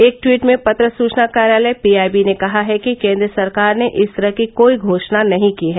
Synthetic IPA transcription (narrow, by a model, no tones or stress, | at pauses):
eːk̚ʈwiːʈmẽpɐt̪ɾəsuːt͡ʃnakaːɾjaːləjpiːaːbinekɐɦaɦɛkikẽːnd̪ɾəsɐɾkaːɾneʔɪst̪ʰəɾəɦkikoːiɡʱoːʃnanɐɦĩkiɦɛː